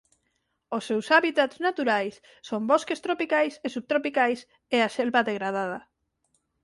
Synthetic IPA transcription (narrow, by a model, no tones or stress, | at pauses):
osːewsaβit̪at̪znat̪uɾajsːomboskest̪ɾopikajsesuβ̚t̪ɾopikajs | easɛlβaðeɣɾað̞að̞a